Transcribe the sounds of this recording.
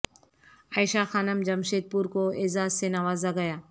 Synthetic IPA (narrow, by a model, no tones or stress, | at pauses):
aːɪʃaxaːnəmd͡ʒɐmʃeːd̪̚puːɾkoɪzaːzsenaʋaːzaɡɐjaː